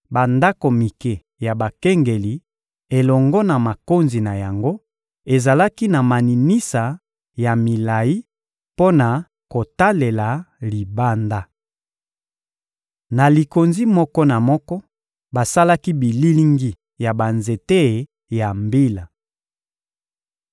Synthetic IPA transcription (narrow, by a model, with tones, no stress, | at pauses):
ba˨nda˦ko˨mi˨ke˨ | ja˨ba˨ke˦ŋɡe˨li˨ | e˨lɔ˨ŋɡɔ˦na˨ma˨ko˦nzi˨na˨ja˨ŋɡo˦ | e˨za˨la˦ki˦na˨ma˨ni˨ni˦sa˨ | ja˨mi˨la˨ji˦ | po˦na˨ | ko˨ta˦le˨la˨li˨ba˦nda˦ | na˨li˨ko˨nzi˦mɔ˦kɔ˦na˨mɔ˦kɔ˦ | ba˨sa˦la˦ki˦bi˨li˦li˦ŋɡi˦ | ja˨ba˨nze˨te˦˨ | ja˨mbi˦la˨